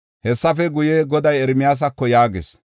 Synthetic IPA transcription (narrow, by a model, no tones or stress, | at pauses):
hɛsːɐfɛɡʊjeɡɔd̪ɐjɛɾmɪjaːs̬ɐkːɔjaːɡɪs